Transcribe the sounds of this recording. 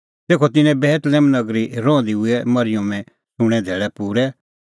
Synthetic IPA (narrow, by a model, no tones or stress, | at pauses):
t̪eːkʰɔt̪ɪnɛ̃bɛːt̪lɛːmnɐɡɾiɾɔ̃ːd̪iʊɛmɐɾɪjʊ̃mɛ̃ | sʊ̃ɽ̃ɛ̃d̪ʱɛːɭɛpuːɾɛ